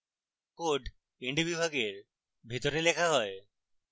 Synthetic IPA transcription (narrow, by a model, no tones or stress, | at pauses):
koɖ | eɳɖibibʱaɡeɾ | bʱit̪oɾelekʰaɦɔe